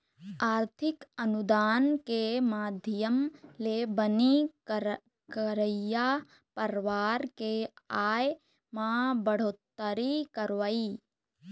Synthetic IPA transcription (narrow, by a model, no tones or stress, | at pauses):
aːɾt̪ʰɪkənud̪aːnkemaːd̪ʱɪjəmlebəni | kəɾəja | pəɾʋaːɾkeaːj | mãbəɽ̤oːt̪ːəɾikəɾʋai